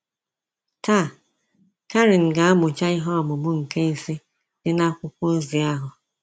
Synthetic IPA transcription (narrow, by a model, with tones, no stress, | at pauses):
ta˦˨ | ka˦ɾɪ˨n̩˨ɡa˨˦a˦mʊ˨t͡ʃa˦ɪ˦ɦɔ˦a˨mʊ˨mʊ˦ŋ̩˨ke˦n̩˨si˦ | d̥ɪ˦na˦kʷʊ˦kʷo˦zi˨a˦ɦʊ˨